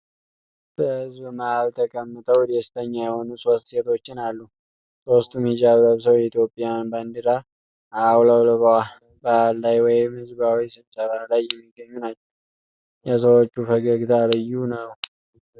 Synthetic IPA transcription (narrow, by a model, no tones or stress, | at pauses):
b̥əhɨzbmahalt̪ʰəkʼəmːɨt̪ʰəwd̪est̪ʰəɲːajɛho̞nuso̞st̪se̞t̪ʰo̞t͡ʃːɪnalːu | sost̪ʰʼumid͡ʒaβləβsəwɛit̪ʰjo̞pʼːijanband̪ɨɾa | awlawləβəha | baalːajwɔjɪmhɨzbawisɨβsəβalajːɛmːiɡːəɲːunat͡ʃːɛw | jɛs̬əwot͡ʃːufəɡəɡt̪ʰalɨjːunəw